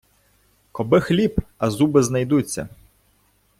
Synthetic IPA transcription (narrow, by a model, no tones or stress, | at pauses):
kɔbɪxlʲipɐzubɪznɐjd̪ut͡sʲːɐ̰